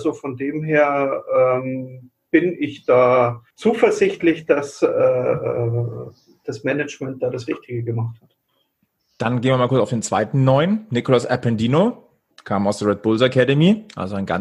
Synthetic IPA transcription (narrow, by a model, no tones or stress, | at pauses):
zofɔndeːmɦeːɐʔɛːm | b̥ɪnɪçd̥aːt͡suːfɛɐzɪçtlɪçd̥asɛːʔɛ̰ː | d̥asmɛnɛt͡ʃmɛnt̚d̥aːɾasʁɪçtɪɡəɡəmaχthat | d̥anɡeːnviːmaːlkʊɐt͡saʊfdeːnt͡sv̥aɪtn̩ːɔʏənnɪkolasʔapʰɛndiːno | kʰaːmaʊsd̥eːɐʁɛt̚b̥ʊlzakʰɛdəmiʔa̰lzoaɪnɡa̰n